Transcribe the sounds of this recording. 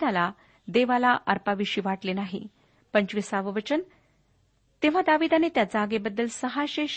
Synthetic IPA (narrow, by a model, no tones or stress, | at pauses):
d̪ala | d̪eʋalaʔəɾpaʋiɕiːʋaʈlenaɦḭ | pəɲt͡ɕʋisaʋəʋət͡ɕən | t̪eʋ̤ad̪aʋid̪anet̪jad͡zaːɡebəd̪ːəlsəɦaɕe